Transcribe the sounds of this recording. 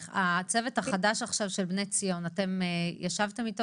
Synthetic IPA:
at͡sevetaχadaʃaχʃavʃelbnet͡sijo̞nate̞mjaʃavt̪emito

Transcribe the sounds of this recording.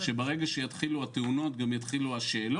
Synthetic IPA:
ʃebeʁe̞ɡaʃejat̪χiluat̪euno̞t̪̚ɡamjat̪χiluaʃe̞ːlo

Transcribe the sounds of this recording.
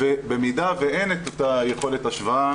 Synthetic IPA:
vebemid̪aveʔenet̪at̪ajeχo̞letaʃvaa

